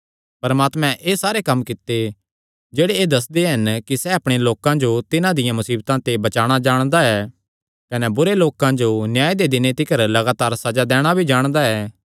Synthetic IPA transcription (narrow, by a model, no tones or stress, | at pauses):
pɐɾmaːt̪mɛ̃ʔeːsaːɾekɐmːkɪt̪ːe | d͡ʒeːɽeeːd̪ɐs̬d̪eɦɐnkisɛɐpɽ̃eloːkãd͡ʒot̪ɪnãd̪ɪjãmɐsiːbt̪ãt̪ebɐt͡ʃaːɽ̃ad͡ʒaːɽ̃d̪aɛː | kɐnɛbʊɾeloːkãd͡ʒonjaːed̪ed̪ɪnet̪ɪkəɾlɐɡaːt̪aːɾsɐd͡ʒad̪ɛːɽ̃abʱid͡ʒaːɽ̃d̪aɛː